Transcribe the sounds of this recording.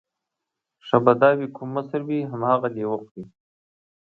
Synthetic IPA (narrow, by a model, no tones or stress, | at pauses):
ʂabad̪ɑːwikʰumːəsəɾwiɦamhaɣalewəqwi